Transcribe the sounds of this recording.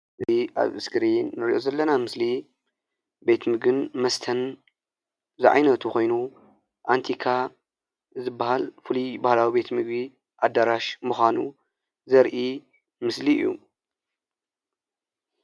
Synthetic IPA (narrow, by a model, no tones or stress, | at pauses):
ʔɨiʔa̰βɨskɨɾenːɨɾiʔo̞zɐlːɐnamɨsli | be̞t̪mɨɡɨnmɐst̪ʰɐn | zɨʕa̰jnɐt̪ʰuxo̞jnu | ʔant̪ʰikʰa | zɨbːahalfɨlubahlawibe̞t̪mɨɡbi | ʔad̪aɾaʃmuxʷanṵ | zɐɾʔi | mɨslḭjːṵ